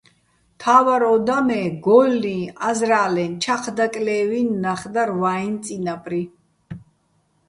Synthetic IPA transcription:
t̪ʰaːvaɾɔd̪amɛːɡɔlːĩazɾaːlɛnt͡ʃʰaqʰd̪akʼlɛːvinːaχd̪aɾvaint̪sʼinapʰʼɾi

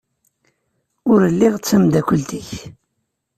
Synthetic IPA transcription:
ʊɾəlːɪʁət͡sːæmd̪ækʷəlt̪iç

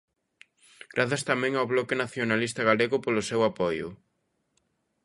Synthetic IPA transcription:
ɡ̥ɾaθɐst̪amɛ̃ŋawβlɔkɪnaθjonalist̪ɐɣaleɣʊpolʊsewapɔjʊ̰

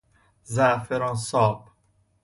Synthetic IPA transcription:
zafeɾɔnsɒːb

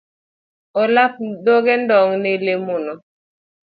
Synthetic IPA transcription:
olap̚doɡɛndɔŋnelemunɔ

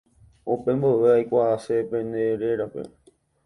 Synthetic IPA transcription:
opẽ̞mboʋeajkʷaasepẽneɾe̞ɾape̞̰

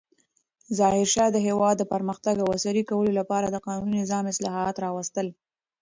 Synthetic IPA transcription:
zɑhɪɾʃɑd̪əɦewɑd̪ːəpəɾməxt̪aɡəwasaɾikawəlolapɑɾad̪əqɑnuninɪzɑmɪslɑɦɑt̪ɾɑwast̪əl

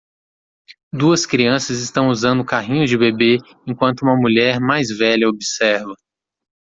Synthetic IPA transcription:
d̪uɐskɾiɐ̃sɐzɪst̪ɐ̃w̃uzɐ̃nd̪ʊkaɦĩɲʊzd͡ʒɪbebe | ẽkwɐ̃nt̪ʊũmɐmuʎɛɾmajzvɛʎɐobisɛɾvɐ

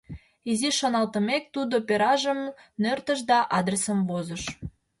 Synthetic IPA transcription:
iziʃonɑlt̪əmek̚t̪ud̪opeɾɑʒəmnørt̪əʃ̬d̪ɑʔɑd̪resəmvozəʃ

